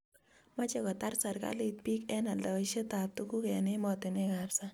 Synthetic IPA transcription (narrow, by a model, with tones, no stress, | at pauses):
ma˦t͡ʃɛ˦kɔ˨ta˦rsa˨rka̰lɪ˨t̚pi˦kɛ˦na˨lda˨i˦ʃe˦ta˨p̚tu˦ku˦kɛ˨nɪ˦mɔ˦tɪ˨nɪ˦kapsa˦